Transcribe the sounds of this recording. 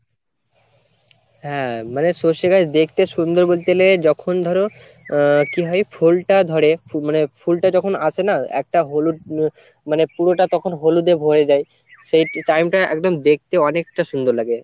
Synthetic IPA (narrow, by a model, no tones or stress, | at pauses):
hɛ̃manesoʃeɡʱad͡ʑd̪ek̚ʰt̪eʃund̪oɾbolt̪eled͡ʑɔkʰond̪ʱɔɾo | kiɦɔjfʰulʈad̪ʱɔɾemanepʰulʈad͡ʑɔkʰonat͡ɕʰenaɛ̰k̚ʈaɦolu | manepuɾoʈat̪ɔkʰonɦolud̪ebʱoɾed͡ʑaj | ʃejʈajmʈaɛ̰kd̪omd̪ek̚t̪eɔnek̚ʈaʃund̪oɾlaɡe